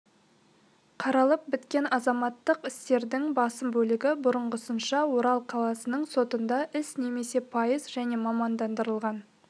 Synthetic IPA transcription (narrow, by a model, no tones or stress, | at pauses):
qʰɑɾɑlˠəp̚bɪt̪kʲe̞nɑzɑmɑt̪ːəqɪst̪e̞ɾd̪ɪŋbɑsəmbɵlɪɡʲɪbʊɾəɴʁəsənʃɑwoɾɑlˠqʰɑlˠɑsənəɴso̞t̪ənd̪ɑʔɪsne̞me̞se̞pʰɑjəzʒæne̞mɑmɑnd̪ɑnd̪əɾəlˠʁɑn